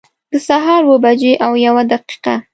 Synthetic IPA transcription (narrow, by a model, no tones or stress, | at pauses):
d̪̥əsaɦɑɾwəbad͡ʒeʔawjawad̪aqi̥qa